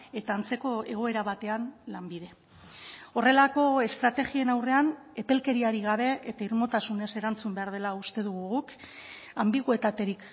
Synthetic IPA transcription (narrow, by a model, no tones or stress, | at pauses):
e̞t̪aːnt͡se̞ko̞e̞ɣ̞o̞e̞ɾaβat̪e̞anlambiðe̞ | o̞re̞lako̞e̞st̪ɾat̪e̞ɣie̞nawre̞an | e̞pe̞lke̞ɾiaɾiɣaβe̞et̪aiɾmo̞t̪asune̞se̞ɾant͡sumbe̞aɾð̞e̞laust̪e̞ðuɣuɣuk | ambiɣue̞t̪at̪e̞ɾik